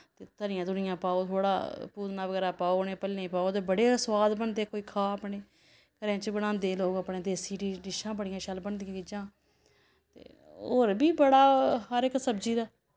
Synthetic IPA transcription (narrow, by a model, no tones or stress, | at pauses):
t̪eːt̪əɾɪjãːd̪ʊɳɪjãːpaːoːt̪ʰoːɽa̰ːpuːd̪naːʋəɡɛːɾaːpaːoːnẽːpəlːẽːpaːod̪eːbəɽeːswaːd̪bənd̪eːkoːiːkʰaːəpɳeː | kəɾẽːt͡ʃbəɽãːnd̪eːloːɡəpɳeːd̪eːsiːɖiːɖɪʃãːbəɽɪjãːʃəlbənd̪iãːkid͡ʒãː | t̪ḛː | oːɾbiːbəɽaːɦəɾɪksəbd͡ʒiːd̪aː